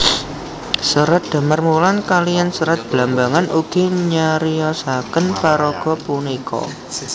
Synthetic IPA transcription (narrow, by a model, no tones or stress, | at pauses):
səɾat̪̚d̪̥a̤mərmulankalijansəɾat̪̚b̥lambaŋanʔuɡ̥i̤ɲaɾiɔsakənpaɾɔɡ̥ɔ̤punikʰɔ̰